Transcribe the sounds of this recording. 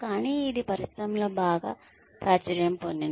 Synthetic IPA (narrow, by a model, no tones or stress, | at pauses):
kaːniːd̪ipɐɾist̪ɾɐmloːbaːɡa̰ː | pɾaːt͡ʃɐɾjɐmponːin